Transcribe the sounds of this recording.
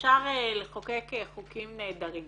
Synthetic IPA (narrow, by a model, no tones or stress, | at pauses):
ʃaʁeleχokekeχukimneːd̪aʁim